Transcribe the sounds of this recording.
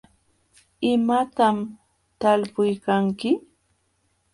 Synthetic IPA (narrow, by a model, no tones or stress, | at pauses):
ɪmat̪am | t̪alpʊjkaŋkɪ